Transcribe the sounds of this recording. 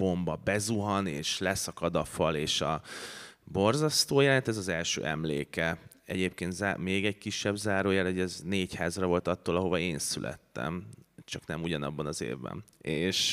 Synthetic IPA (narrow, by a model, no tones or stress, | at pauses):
b̥o̞mbɒbɛzuɦɒneːʃlɛsɒkɒd̪ɒfɒleːʃɒ | bo̞rzɒst̪oːjɛlɛnt̪ɛzɒzɛlʃø̰ːʔɛmlḛːkɛ | ɛ̰ɟeːp̚keːnt̪zaːmeːɡɛc̚kiʃːɛbzaːɾoːjaːlhoɛzneːchaːzrɒvo̞lt̪ɒt̪ːoːlɒɦo̞vɒeːnsylʔɛ̰t̪ːɛ̰mt͡ʃɒknɛmuɟɒnɒbːɒnɒzḛːvbɛ̰neːʃ